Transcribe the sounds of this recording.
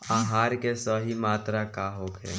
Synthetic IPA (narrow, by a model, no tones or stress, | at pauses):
aːɦaːɾkesɔɦimaːt̪ɾakaːɦoːkɦɛ̰ː